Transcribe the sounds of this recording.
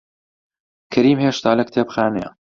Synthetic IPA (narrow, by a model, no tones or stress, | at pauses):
kʰɐɾiːmheːʃt̪aːlɐk̚t̪ʰeːpxaːnḛ